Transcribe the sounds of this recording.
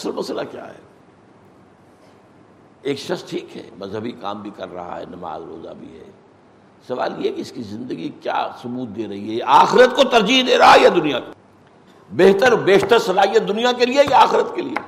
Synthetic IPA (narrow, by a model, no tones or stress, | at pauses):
səlmɐsla̰kja̰ːɦɛ̰ː | eːkʃɐχsʈʰiːkɦɛ̰ːmɐzɦəbika̰ːmbʱikɐɾːɐ̰ɦa̰ɦɛ̰ːnɐma̰ːzɾo̰ːza̰bʱḭɦɛ̰ː | sɐʋa̰ːljeɦɛkiɪskizɪ̃nd̪əɡikja̰ːsʊbuːd̪̚d̪eːɾɐɦiɦɛaːxɪɾət̪kot̪ɐɾd͡ʒiɦd̪eːɾɐɦajad̪ʊnijak | beɦt̪əɾbeːɦt̪əɾsɐlaːɦijət̪̚d̪ʊnijakeliejaaːxɪɾət̪kelḭḛ